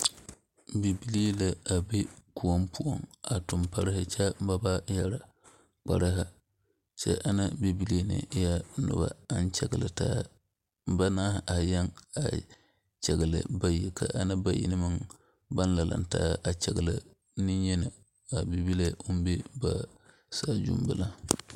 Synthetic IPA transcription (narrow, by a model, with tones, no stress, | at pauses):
bi˨bi˦li˦e˦la˨a˨be˦ku˨o˦mpu˦o˨ŋa˨tʊ˨mpa˦ɾɪ˦hɪ˦t͡ʃa˦m˦ba˦ba˦ja˨ɾa˨ | k͡pa˨ɾa˦ɦa˦ | t͡ʃɛ̰˦ʔa˦na˦bi˦bi˦li˦e˦nɪ̰˨˦ja˦nʊ̰˦ba̰˨a˦n˦t͡ʃɛ˨ɡɪ˨lɪ˨taː˦ | m˦ba˦naː˦hʔa˨jɛ˦ŋa̰˨ | t͡ʃɛ˨ɡɨ˨lɨ̰˨ba˦ji˨kʰa̰˨ʔa˨na˦ba˦jḭ˦nɨ˦mɨ˦ŋ | ba˦n˦la˨la̰˨n˦ta̰ː˦a˨t͡ʃɛ˨ɡɨ˨lɪ̰˨ | nɪ˦jɛ˦na˨ | a˨bi˦bi˦le˦ʊ˦m˦be˦ba˨ | saː˦˨d͡ʒṵ˦m˦bɨ˦la˦